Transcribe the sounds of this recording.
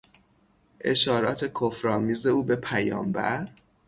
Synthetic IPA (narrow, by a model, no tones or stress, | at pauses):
ʔe̞̰ʃɒːɾɒːt̪ʰe̞kʰofɾɒːmiːze̞uːbe̞pʰæjɒ̰ːmbæ̰ɾ